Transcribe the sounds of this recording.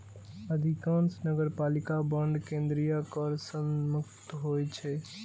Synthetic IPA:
əd̪ʱikãnsnəɡəɾpalikabəɳɖkẽnd̪ɾijakəɾsənmukt̪ɦojt͡ʃʰɛ

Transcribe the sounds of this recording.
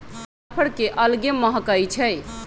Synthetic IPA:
sapʰəɽkeʔəlɡeməɦəkəjt͡ʃʰɛj

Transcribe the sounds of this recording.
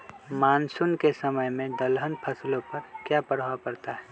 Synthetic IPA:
maːnsʊnkesəməjmẽd̪əlɦənpʰəslõpɐɾkjapəɽ̤wapəɾt̪aɦɛː

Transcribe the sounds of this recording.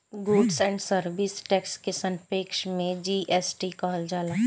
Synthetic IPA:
ɡoːɖsɛ̃ːɳɖsəɾʋisʈɛːkskesənpeːkʃmẽd͡ʒiːʔɛsʈikɔːld͡ʒaːlaː

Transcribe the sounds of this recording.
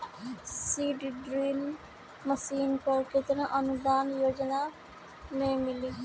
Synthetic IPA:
siːɖiɖɾiːmː | əsiːnkoːɾkɪt̪ɾãʔənʊd̪aːnjoːd͡ʒnaː | mẽmɪliː

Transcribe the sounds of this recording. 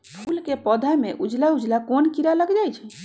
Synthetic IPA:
pʰulkepɔd̪ʱameʔud͡ʒlaud͡ʒlakonkiɾaləɡd͡ʒajt͡ʃʰɛ

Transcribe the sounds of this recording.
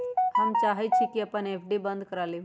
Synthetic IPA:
həmt͡ʃaːɦɛt̪̚t͡ʃʰikiəpəneːpʰɖibə̃nd̪kəɾaːle

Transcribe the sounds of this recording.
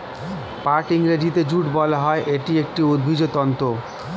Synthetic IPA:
paɾʈiŋɾedit̪ed͡ʑuʈbɔlaɦɔeʔeʈiek̚ʈiud̪̚bʱid͡ʑot̪ɔnt̪o

